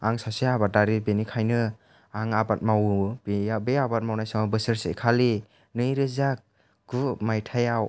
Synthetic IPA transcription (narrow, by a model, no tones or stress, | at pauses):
aŋsasiabat̚daɾibenikʰajnɯ | aŋabat̚mawbeabeabat̚mawnajsaŋabɯsɯɾsḛkʰali | nɯjɾɯzak̚ | ɡumajtʰajaw